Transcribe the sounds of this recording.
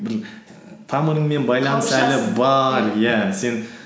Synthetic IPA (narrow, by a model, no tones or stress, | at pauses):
bɪɾ | t̪ʰɑməɾəɴme̞nbɑjlˠɑnəsælɪbɑɾjæse̞n